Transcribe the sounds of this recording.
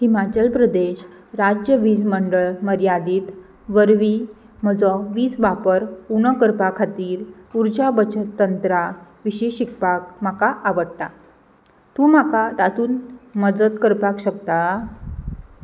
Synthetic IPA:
himat͡ɕəlpɾəd̪eɕ | ɾad͡ʑjəʋiːd͡zməɳɖəɭməɾjad̪iːt̪ | ʋəɾʋiː | məd͡zɔʋiːd͡zʋapəɾunəkəɾpakʰat̪iːɾuɾd͡ʑabət͡ɕət̪ːənt̪ɾaʋiɕiɕikpak̚m̤akaʔaʋəɽt̪a | t̪ũːm̤akat̪at̪uːnmədət̪kəɾpakɕəkt̪a

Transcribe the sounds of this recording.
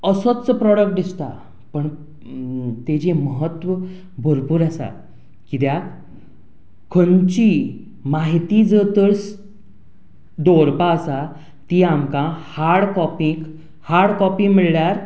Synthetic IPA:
əsət͡səpɾɔɽək̚ʈ̚d̪ist̪a | pəɳ | t̪ed͡ʑeməɦət̪ʋə | bʱəɾpuɾasa̰ | kid̪ja | kʰənt͡ɕi | maɦit̪id͡zət̪əɽs | d̪oɾpaəsa | t̪iːamkãhaɾɽkɔpik | haɾɽkɔpĩɡmiɭɭjaɾ

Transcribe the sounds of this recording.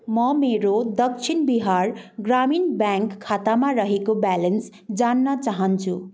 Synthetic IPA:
mʌmeɾod̪ʌkt͡sʰinbiɦarɡraminbjaŋkʰːat̪amaɾʌɦekobalens | d͡zanːʌt͡saɦʌnt͡sʰu

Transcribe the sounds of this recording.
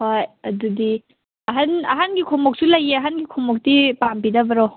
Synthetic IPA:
hojɐdudi | ɐɦanɐ̰ɦanɡikʰɔmɔk̚sulɐjeɐɦanɡikʰɔmɔk̚tipampidɐbɐɾo

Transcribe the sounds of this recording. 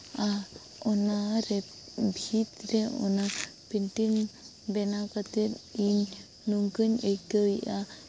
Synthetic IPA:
a | ɔnaɾɛ | bʱit̪ɾɛɔ̰napinʈin | bɛnakat̪et̪̚iɲ | nuŋkəɲejkəiʔa

